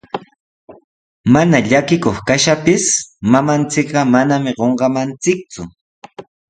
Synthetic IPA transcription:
manaʎakɪkoχkaʃapɪsmamant͡sɪkɢɑmanamɪɢoɴɢɑmant͡sɪk̚t͡sʊ

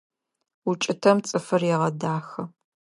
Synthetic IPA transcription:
ut͡ʃʼɪtʰɐmt͡sʼɨfɐrjɛʁɐdaːxɐ

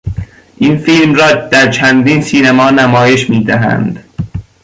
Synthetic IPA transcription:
ʔinfilmrɒːd̪̥æɾt͡ʃʰænd̪iːnsiːnæmɒːnæmɒːje̞ʃmiːd̪æɦæ̰nd̪̥

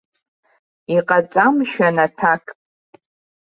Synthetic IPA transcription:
iqʼat͡sʼamʃᶣanatʰakʼ

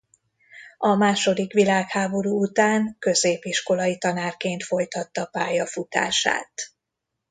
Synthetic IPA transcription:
ɒmaːʃo̞d̪ikʋilaːkhaːbo̞ɾuːut̪aːŋkø̞zeːpiʃko̞lɒjit̪ɒnaːrkeːnt̪fo̞jt̪ɒt̪ːɒpaːjɒfut̪a̰ːʃa̰ːt̪

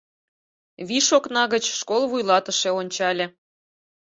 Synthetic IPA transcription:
βiʃoknɑɣət͡ɕʃkolˠβujlˠɑt̪əʃeonʲt͡ɕɑlʲĕ

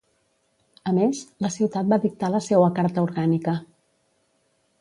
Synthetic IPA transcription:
əmezləsiwt̪at̪̚baðik̚t̪aləsewəkaɾt̪əuɾɣanikə

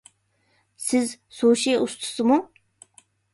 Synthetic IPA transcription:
sɪzsoːʃijust̪ʰu̥sɨmu

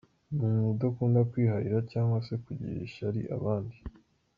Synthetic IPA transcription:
mumudakuːndakwiːɦaɾiɾacaːŋɡwase̞kuɟḭɾḭʃaɾḭʔa̰βaːndi

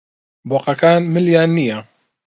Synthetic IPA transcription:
bɔqakaːnmɪljaːnija

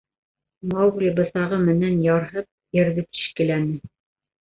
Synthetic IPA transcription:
mɑwɡlʲibɤ̆θɑʁɤmɘ̆nænjɑɾɦɤp̚jɘ̆ɾðɘt̪i̥ʃkɘ̆lænɘ

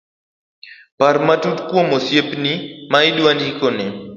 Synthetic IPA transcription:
parmatutkwomosjepnimaɪdwandikonɪ

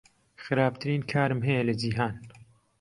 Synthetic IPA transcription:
xɨɾaːb̚t̪ʰɨɾiːnkʰaːɾɨmɦɛjɐlɐd͡ʒiːɦaːn

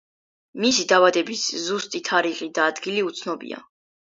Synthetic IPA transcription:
misid̪avad̪ɛbiszust̪ʼit̪ʰaɾiχid̪aːd̪ɡiliut̪sʰnɔbḭa̰

